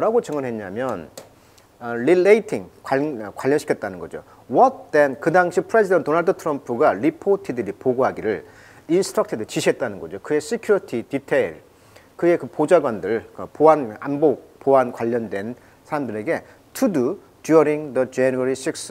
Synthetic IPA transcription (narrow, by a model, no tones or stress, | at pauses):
ɾaɡot͡ɕʌŋɯnɦe̞ɲamjʌn | ɾileitʰiŋkakwaʎːʌnɕʰikʰʌt̚t͈anɯnɡʌd͡ʑo̰ | wʌt̚denkɯdaŋɕʰipʰɯɾe̞d͡ʑʰidenttonaɭdɯtʰɯɾʌmpʰuɡaɾipʰotʰidɯɾipoɡoɦaɡiɾɯɭ | insʰɯ̥tʰɾak̚tʰidɯt͡ɕiɕʰiet̚t͈anɯnɡʌd͡ʑokɯe̞s͈ekʰjuɾitʰititʰeiɭ | kɯe̞kɯpod͡ʑaɡwandɯɭkpoana̰mbopoankwaʎːʌndwe̞n | sʰaɾamdɯɾe̞ɡe̞ | tʰudu | djuɾiŋdʌd͡ʑenuaɾis͈ik̚s